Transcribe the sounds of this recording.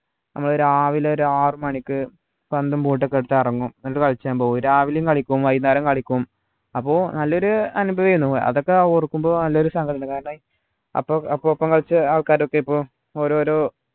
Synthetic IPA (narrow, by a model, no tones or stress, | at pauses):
nʔɐ̰mːɐɭo̞ɾaːʋileoɾuaːrɨmɐɳikʲːɨ | pɐnd̪ɐmpuːʈ̬ːokːeɽut̪ːairɐŋːumnɐɐɾɨkɐɭt͡ɕːaːmpoːuɾaːʋilejumkɐɭikʲːuumʋɐjnːaːɾɐmkɐɭikʲːuʋum | ɐpːo̞ːnɐlːɐo̞ɾuɐnubʱɐʋijunːupoːjɐ̰ðo̞kːeorukːumbo̞ːnɐlːɐoɾusɐŋɡʰɐʈʰɐɳɐkaːɾɐɳɐ | ɐ̰pːoɐpːopːɐŋkɐɭt͡ɕːɨaːɭkaːɾokːeipːoː | oːɾoːɾoː